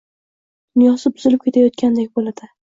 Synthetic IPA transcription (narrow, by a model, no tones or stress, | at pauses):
d̪ʊnjɒsɪbʊzɪlɪp̚kʲe̞t̪ʰajɒt̪̚kʲand̪ekʲbolad̪̥ɪ